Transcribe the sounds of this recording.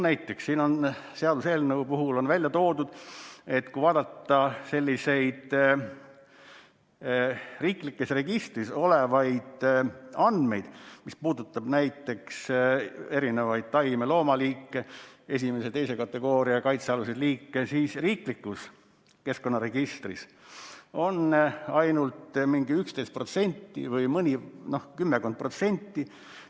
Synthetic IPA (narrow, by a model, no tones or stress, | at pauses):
næjt̪ːˑe̞ksːiːno̞nse̞ɑd̪use̞ːlnɤwpuɦulo̞nvælʲjɑt̪o̞ːd̪ud̪̥e̞t̪kujvɑːd̪ɑt̪ːˑɑse̞lʲːise̞jd̪̥ | riːklikːesre̞ɡ̥ist̪riso̞le̞vɑjd̪̥ɑnd̪me̞̰jd̪̥mispuːd̪ut̪ːˑɑb̥næjt̪ːˑe̞ks | e̞ɾinevɑjd̪̥̚t̪ɑjmelo̞ːmɑliːkːˑe̞e̞s̬ʲime̞set̪e̞jse̞kɑt̪ːˑe̞ɡ̥o̞ːɾiɑkɑjt̪seɑlused̪liːkːe̞siːsriːklikːus | ke̞sko̞nːɑɾe̞ɡ̥ist̪ris | o̞nɑjnult̪miŋɡ̥iykst̪ejst̪pro̞t̪se̞nʲt̪ˑːḭvɤjmɤnʲino̞hkymːeko̞nd̪̚pro̞t̪se̞nʲt̪ːi